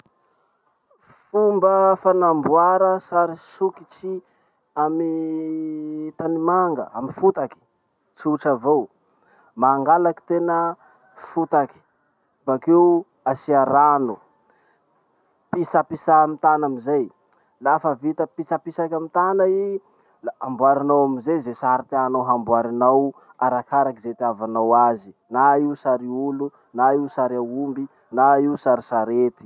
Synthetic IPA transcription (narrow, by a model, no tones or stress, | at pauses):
fumbəfanambuaɾəsaɾisukit͡ʃi | ami | t̪animaŋɡə̰a̰mifut̪aki̥ | t͡siuʈ͡ʂavow | maːŋɡalaki̥t̪enə | fut̪aki̥ | bake | asiaɾanu | pisapisamit̪anamizaj | lafəvit̪əpisapisakʲamit̪anai | laambwaɾinawamizezesaɾt̪ianawɦambwaɾinaw | aɾakʰaɾakizet̪iavanawazinaiusaɾiulu | naiusaɾiaumbi | naiusaɾisaɾet̪i̥